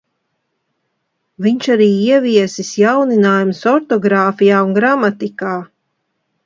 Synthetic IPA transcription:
viɲʃaɾiːiɛviɛsisjawninaːjumsɔɾt̪ɔɡɾaːfijaːunɡɾamat̪ikaː

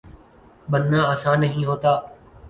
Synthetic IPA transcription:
ɓənːãːəsãːnəɦĩːɦoːt̪aː

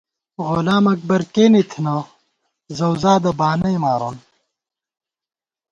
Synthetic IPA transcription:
ʁolaːmɐk̚bɐɾkeːnit̪ʰnɐ | zɐwzaːd̪ɐbaːnɐjmaːɾon

